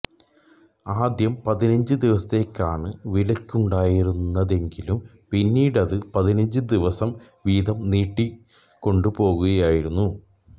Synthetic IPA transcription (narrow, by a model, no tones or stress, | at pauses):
aːd̪jɐmpɐðinɐɲd͡ʑɨd̪iʋɐsɐt̪ːekʲːaːɳɨʋilɐkʲːuɳɖaːjiɾunːɐðe̞ŋɡilum | pinːiːɽɐðɨpɐðinɐɲd͡ʑɨd̪iʋɐsɐmʋiːðɐmniːʈːi | kːo̞ɳɖupo̞ːɣuɣɐjaːjiɾunːu